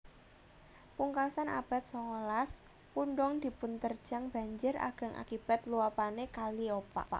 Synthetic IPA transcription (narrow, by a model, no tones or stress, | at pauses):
puŋkasana̰b̥a̤t̪̚sɔŋolas | puɳɖɔŋd̪̥i̤pʊnt̪ərd̥d͡ʒ̥a̤ŋb̥a̤ɲd͡ʒərʔa̰ɡ̥a̤ŋʔa̰kib̥a̤t̪luapanekaliopa̰a̰